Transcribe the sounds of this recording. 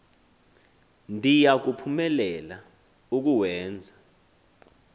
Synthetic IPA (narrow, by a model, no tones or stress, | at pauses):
ndʱijak̬upʰumɛlɛla | uk̬uwɛːnd͡zʱḁ